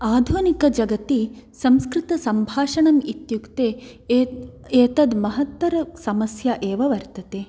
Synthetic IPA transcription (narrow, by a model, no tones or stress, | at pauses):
aːd̪ʱunikɐd͡ʒɐɡɐt̪isɐmskɾɪt̪ɐsɐmbʱaːʂɐɳɐmit̪jukt̪eː | eːt̪ɐd̪mɐɦɐt̪ʋɐɾɐsɐmɐsjɐʔeːʋɐʋɐɾt̪ɐt̪eː